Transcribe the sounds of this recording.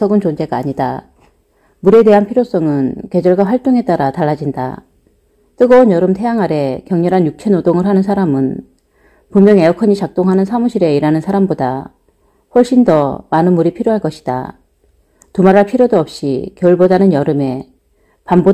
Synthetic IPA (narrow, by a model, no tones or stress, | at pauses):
ʌɡɯnt͡ɕond͡ʑe̞ɡaːɲida̰ | muɾe̞de̞ɦanpʰiɾjos͈ʌŋɯnke̞d͡ʑʌɭɡwaɸwaɭt͈oŋe̞t͈aɾataɭːad͡ʑinda̰ | t͈ɯɡʌonjʌɾɯmtʰe̞jaŋaɾe̞kjʌŋɲɯɾɦanjuk̚t͡ɕʰenodoŋɯɭɦanɯnsʰaɾamɯn | pumjʌŋe̞ʌkʰʌɲit͡ɕak̚t͈oŋɦanɯnsʰamuɕʰiɾe̞iɾanɯnsʰaɾamboda | ɸʌɭɕ͈indʌmanɯnmuɾipʰiɾjoɦaɭk͈ʌɕʰid̥a̰ | tumaɾɦaɭpʰiɾjodoʌp̚ɕ͈ḭkjʌuɭbodanɯnjʌɾɯme̞ | pambo